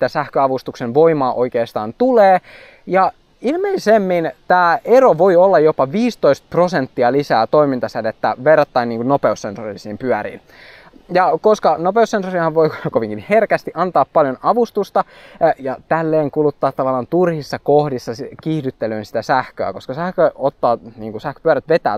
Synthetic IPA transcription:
it̪æsæhkøɑʋust̪uksenʋoimɑːʔo̞ikeːst̪ɑːnt̪uleː | jɑ | ilmeisemːint̪æːeɾoʋo̞iolːɑjopɑʋiːst̪oist̪̚prosent̪ːiɑlisæːt̪oimint̪ɑsenet̪ːæʋerːɑt̪ːɑinːiːŋkunnopeusːensorisiːmpyæɾḭːn | jɑkoskɑnopeusːensorihɑʋʋoikoʋiŋkinherkæst̪iʔɑnt̪ɑːppɑljonɑʋust̪ust̪ɑ | jɑt̪ælːeːŋkulut̪ːɑːt̪ːɑʋɑlːˑɑnt̪urhisːɑkohdisːɑskihdyt̪ːeløːnsi̥t̪æsæhkøæ̰koskɑsæhkøot̪ːɑːniːŋkusæhkø̥pyæɾæt̪ʋet̪æ̰ː

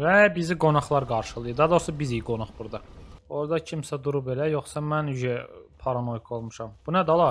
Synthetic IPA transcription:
væbiziɡo̞nɑχlˠɑɾɡɑɾʃɯlˠɯjɯd̪ɑd̪o̞ɾsɑbizijɡo̞nɑχbuɾd̪ɑo̞ɾd̪ɑcʰimsæd̪uɾubelæjo̞χsɑmænyʒɛpʰɑɾɑno̞jkʰo̞lˠmuʃɑmb̥unæd̪olˠɑ

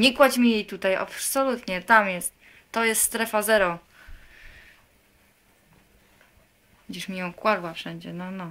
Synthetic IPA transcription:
ɲɛkwat͡ɕmʲijejt̪ut̪aja̰psɔlut̪ɲɛt̪amjɛst̪ː | ɔjɛst̪st̪ɾɛfazɛɾɔ | ɡd͡ʑiʂmʲijɔ̃w̃kwaɾwafʂɛɲd͡ʑɛnɔnɔ

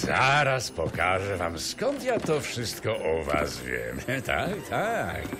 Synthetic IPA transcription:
zaɾaspɔkaʐɛva̰mskɔnt̪jat̪ɔfʂɘst̪kɔʔɔva̰svʲjɛ̰mt̪ʰa̰kt̪ʰak

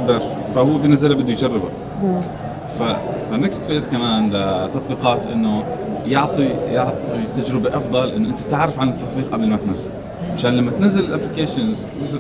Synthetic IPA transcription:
d̪ɑɾˤ | fahʊːebɪnːazalabɪd̪ːujd͡ʒarˤːɪba̰ | fafanekst̪feːzkamaːnnd̪at̪ɑt̪ˤbiːqɑːt̪ʔɪnːʊjɑʕt̪ˤijɑʕt̪ˤit̪ad͡ʒɾɪbeʔɑfd̪ˤɑlʔɪnːoʔɪnt̪ḁt̪ɪʕɾɪfʕanɪt̪ːɑt̪ˤbiːqʔabɪlmat̪nazːal | ʕaʃaːnlamːat̪nazːalɪlʔaplɪkeːʃɪnzt̪ɪza

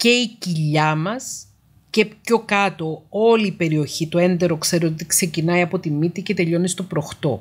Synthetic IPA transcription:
ce̞iciʎɐmɐs | ce̞pço̞kɐt̪o̞o̞liːpe̞ɾio̞çit̪o̞e̞nd̪e̞ɾo̞kse̞ɾeot̪ikse̞cinɐiɐpo̞t̪imːit̪ice̞t̪e̞ʎo̞nist̪o̞pɾo̞xt̪o̞̰

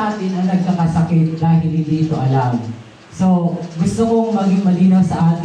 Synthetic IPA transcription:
aːt̪ɪnɐŋnɐɡ̚kakɐsɐkɪt̪̚d̪aːɦɪlhɪnd̪iʔt̪oʔɐlam | so̞ɡʊst̪okoŋmɐɡɪŋmɐliːnɐsɐʔaːt̪

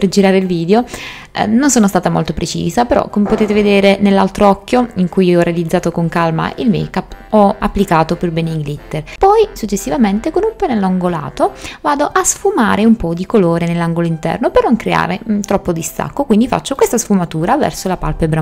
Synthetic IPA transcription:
perd͡ʒiɾaːɾeilviːd̪eo̰ | nonsoːnost̪aːt̪amo̰lt̪opɾet͡ʃḭːzapeɾɔ̰kːomepot̪eːt̪eved̪ɛːɾenelːa̰lt̪ɾoɔkːjoiŋkujiɔrːealid̪zːaːt̪okoŋkalma̰ʔilmḛjkapːɔapːlikaːt̪operbeniɡlit̪ːerpɔjsut͡ʃːesːivament̪ekonumpenɛlːaŋɡola̰ːt̪ovaːd̪oʔasfumaːɾeumpɔd̪ikoloːɾenelːaŋɡoloint̪ɛ̰rnopernoŋkɾea̰ːɾet̪ɾɔpːod̪ist̪a̰kːokwind̪ifa̰t͡ʃːokwest̪asfumat̪uːɾavɛ̰rsolapalpebɾa

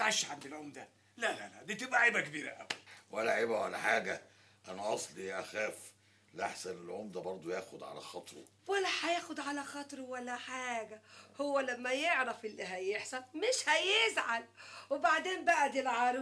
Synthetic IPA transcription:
t̪ʕaʃːʕand̪ilʕomd̪æ | lælæ̰læd̪iːt̪ebʔæʕebækebiːɾæ̰ʔæ̰bælwʔælːæʕiːbæwalæ̰ħaːɡæ | ʔænæʔɑsˤlijæʔæxæːf | lʔaħsænelʕomd̪æbɑɾˤd̪ˤojæːxod̪ʕa̰læ̰xɑt̪ˤɾo̰ | wælːæħæjæːxod̪ʕalæxɑt̪ˤɾwælːæħaːɡæhowːælæmːæjeʕɾˤɑfɪlːiɦæjeħsɑnmeʃhæjezʕalwebaʕd̪eːmbæʔæd̪ilʕɑɾ

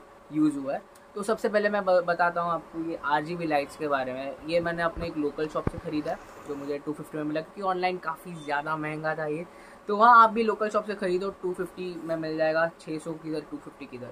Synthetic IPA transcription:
juːzɦuaɛ | t̪oːsɐbsep̬ɛɦlemɛ̃bɐt̪aːt̪aɦũaːp̚kojeʔaːɾd͡ʒiːbilaːɪʈskebaːɾemẽjemɛːneɐpneːkloːkəlʃɔːpsexɐɾiːd̪aɦɛ | d͡ʒoːmʊd͡ʒʱeʈuːfɪfʈimẽmɪlakõkiɔːnlaːɪnkaːfizjaːd̪amɛɦɛ̃ŋɡat̪aːieː | t̪oʋɐɦãaːp̚bʱiloːkəlʃɔːpsexɐɾiːd̪ɔʈuːfɪfʈimẽmɪld͡ʒaːeːɡat͡ʃʰeːsɔkid̪əɾʈuːfɪfʈikid̪əɾ

